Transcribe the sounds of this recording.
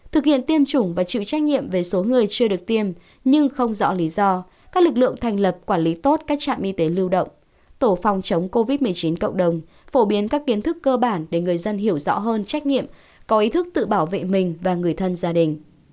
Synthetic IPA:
t̪ʰɨ˨˩k̚hḭ˧˨ənt̪i˧əmt͡ɕʊ˧˩ŋ͡mvaː˨˩t͡ɕḭ˧˨wt͡ɕa˦˥k̟̚ɲḭ˧˨əmve˨˩so˨˦ŋɨ˨˩əjt͡ɕɨ˧ɗɨ˨˩ək̚t̪i˧əm | ɲɨ˧ŋxə˧wŋ͡mzɔ̰˧˥li˨˦zɔ˧ | kaː˦˥k̚lɨ˨˩k̬̚lɨ̰˧˨əŋt̪ʰa˨˩jŋ̟lə˨˩p̚kwaː˧˩nli˨˦t̪o˦˥t̚kaː˦˥k̚t͡ɕa̰ː˧˨mʔi˧t̪e˨˦lɨ˧wɗə̰˧˨wŋ͡m | t̪o˧˩fɔ˨˩wŋ͡mt͡ɕə˨˦wŋ͡mko˧vi˦˥t̚mɨ˨˩əjt͡ɕi˨˦nkə̰˧˨wŋ͡mɗə˨˩wŋ͡m | fo˧˩ɓi˨˦ənkaː˦˥kːi˨˦ənt̪ʰɨ˦˥kːəː˧ɓaː˧˩nɗe˧˩ŋɨ˨˩əjzə˧nɦi˧˩əwzɔ̰˧˥ɦəː˧nt͡ɕa˦˥jk̟̚ɲḭ˧˨əm | kɔ˨˦ʔi˨˦t̪ʰɨ˦˥k̚t̪ɨ̰˧˨ɓaː˧˩wvḛ˧˨mï˨˩ŋ̟vaː˨˩ŋɨ˨˩əjt̪ʰə˧nzaː˧ɗï˨˩ŋ̟

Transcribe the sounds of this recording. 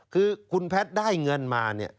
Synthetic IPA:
kʰɯː˧kʰu˧npʰɛ˦˥t̪̚daː˥˩jŋɤ˧nmaː˧ni˥˩ɐ

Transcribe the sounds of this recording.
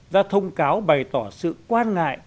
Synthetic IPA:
zaː˧t̪ʰə˧wŋ͡mkaː˨˦wɓa˨˩jt̪ɔ˧˩sɨ̰˧˨kwaː˧nŋa̰ː˧˨j

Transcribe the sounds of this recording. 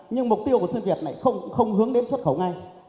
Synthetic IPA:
ɲɨ˧ŋm˨˩k͡p̚t̪i˧əwku˧˩si˧nvi˨˩ət̚na̰˧˩˨jxə˧wŋ͡mxə˧wŋ͡mhɨ˨˦əŋɗe˨˦nswə˦˥t̚xə˧˩wŋa˧j

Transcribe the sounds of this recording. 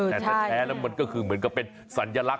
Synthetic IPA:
tʰːa˩˥˩ɛː˦˥lɛː˦˥wma˧nkɔː˥˩kʰɯː˧mɯ˩˦ənka˧˩pːe˧n | sa˩˦nja˧la˦˥k̚

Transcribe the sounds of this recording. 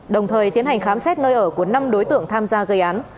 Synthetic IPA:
ɗə˨˩wŋ͡mt̪ʰəː˨˩jt̪i˨˦ənha˨˩ŋxaː˨˦msɛ˦˥t̚nəː˧jʔəː˧˩ku˧˩əna˧mɗo˨˦jt̪ɨ̰˧˨əŋt̪ʰaː˧mzaː˧ɣə˧jʔaː˨˦n

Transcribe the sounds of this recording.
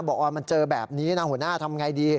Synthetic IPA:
bɔː˨˩k̚waː˧˩ma˧nt͡ɕɤː˧bɛ̰ː˨˩p̚niː˦˥na˦˥hu˩˦ənaː˥˩t̪ʰa˧mŋa˧jdiː˧

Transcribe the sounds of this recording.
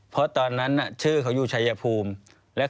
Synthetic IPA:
pʰɔ˦˥t̪ɔː˧nːa˦˥nːa˨˩t͡ɕʰɯː˥˩kʰa˧˦wjuː˨˩t͡ɕʰa˧ja˧pʰuː˧m | lɛ˦˥ʔ

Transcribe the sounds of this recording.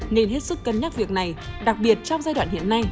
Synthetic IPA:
ne˧nɦe˦˥t̚sɨ˦˥kːə˨˩nɲa˦˥t̚vi˨˩ək̚na˨˩jɗa˨˩k̚ɓi˨˩ət̚t͡ɕɔ˧wŋ͡mzaː˧jɗwa̰ː˧˨nhḭ˧˨ənːa˧j

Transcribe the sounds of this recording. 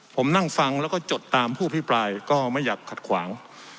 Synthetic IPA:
pʰo˩˦mna˥˩ŋfa˧ŋlɛː˦˥wkɔː˥˩t͡ɕo˨˩t̪ːaː˧mpʰuː˥˩˨a˧˩pʰi˦˥pɾaː˧jkɔː˥˩ma˥˩jːaː˨˩kʰːa˨˩t̪̚kʰwaː˩˦ŋ

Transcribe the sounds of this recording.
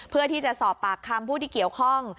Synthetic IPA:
pʰɯ˥˩ət̪ʰiː˥˩t͡ɕa˨˩ʔsɔː˨˩pːaː˨˩kʰːa˧mpʰuː˥˩t̪ʰiː˥˩ki˨˩əwkʰɔ˥˩ŋ

